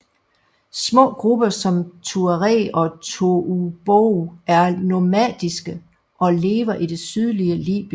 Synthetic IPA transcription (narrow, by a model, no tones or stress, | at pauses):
smɔ̰̽ːɡ̥ʁub̥ɐsɒ̽mt͡sʰuəʁɛ̰ːɒ̽t͡sʰuub̥oæɐno̝mæd̥isɡ̥ə | ʔɒ̽le̝ːʋɐʔid̥e̝syð̞ˠliəlḭːb̥